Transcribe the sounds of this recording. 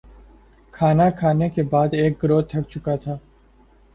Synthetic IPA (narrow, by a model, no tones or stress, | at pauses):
kʰaːnakʰaːnekebaːd̪eːk̚ɡɾoːt̪t̪ʰɐk̚t͡ʃʊkat̪ʰaː